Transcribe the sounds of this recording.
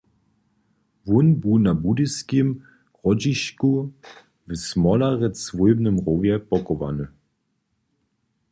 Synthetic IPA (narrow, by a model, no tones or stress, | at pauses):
vunbuːnabudiskim | ʁɔd͡ʒiʃku | vsmɔlaʁɛt͡svujbnəmʁovjɛpɔkɔva̰nə